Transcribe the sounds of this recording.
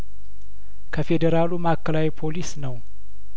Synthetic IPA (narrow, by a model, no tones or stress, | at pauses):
kʰəfed̪əɾalumakːəlawipʰo̞lisnəw